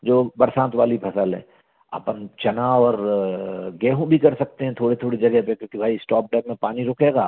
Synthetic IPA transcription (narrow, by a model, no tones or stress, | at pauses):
d͡ʒoːbɐɾsãːnt̪ʋaːlipʰɐsəlɦɛ̰ː | ɐ̰pənt͡ʃɐnaɔːɾ | ɡɛːɦũbʱikɐɾsɐk̚t̪eɦɛ̃t̪ʰoːɽit̪ʰoːɽid͡ʒɐɡɛɦpekjõːkibʱaːisʈɔːp̚ɖɛːbmẽpaːniɾʊːkʰeːɡaː